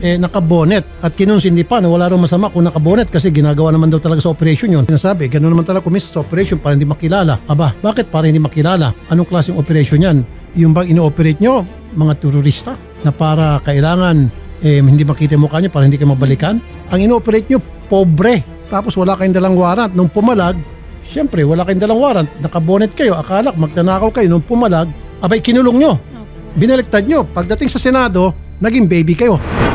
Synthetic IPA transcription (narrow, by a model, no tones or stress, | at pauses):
ʔɛnɐkɐboːnɛt̪̚ʔɐt̪̚kɪnonsɪnd̪ipanɐwɐladɐwmɐsɐmakʊŋnɐkɐbonɛt̪̚kɐs̬ɛɡɪnaɡɐwanɐmand̪awt̪ɐlɐɡasɐopɛɾɐʃonjonɪnaːsaːbɪɡɐnoɐmant̪ɐlɐɡakʊminsɐnsɐopɛɾɛʃonpaːɾɐhɪnd̪imɐkɪlaːlaʔɐbabaːkɪt̪̚paːɾɐhɪnd̪imɐkɪlaːlaʔɐno̞ŋklaːsɪŋʔopɛɾɐʃonɲan | jʊnbaŋɪnoʔopɛɾejt̪̚ɲo̞ | mɐŋat̪ɛɾʊɾist̪a | nɐpaːɾɐkɐʔɪlaːŋɐnʔɛhɪnd̪imɐkiːt̪̬ɐmokaɲopaːɾɐhɪnd̪ikɐjomɐbɐlikan | ʔɐŋɪnoopɛɾejt̪̚ɲo | pobɾɛ | t̪aːpo̞swɐlakɐjʊŋd̪ɐlaŋwaːɾɐnt̪̚noŋpʊmɐlaɡ̚ | ʃɛmpɾɛwɐlakɐjʊŋd̪ɐlaŋwaːɾɐnt̪̚nɐkɐboːnɛt̪̚kɐjo̞ʔɐkaːlak̚mɐɡ̚t̪ɐnaːkɐwkɐjo̞noŋpʊmɐlaɡ̚ | ʔɐbaɪkɪnʊloŋɲo̞ | bɪnɛlɛk̚t̪ad̪̚ɲo̞pɐɡ̚d̪ɐt̪iŋsɐsɛnaːd̪o̞ | nɐɡiŋbɛjbikɐjo̞